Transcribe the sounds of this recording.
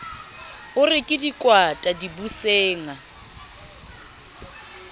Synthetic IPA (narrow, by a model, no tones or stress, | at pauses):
ʊrɪkʼɪdikʼwatʼadibuseːŋa